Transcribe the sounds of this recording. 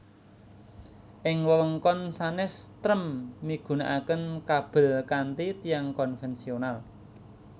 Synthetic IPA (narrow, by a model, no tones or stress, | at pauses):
ʔɪŋwəwəŋkɔnsanɛst̪ɾəmːiɡ̥ṳna̰ʔakənkab̥ə̤lkant̪it̪ijaŋkɔnfɛnsional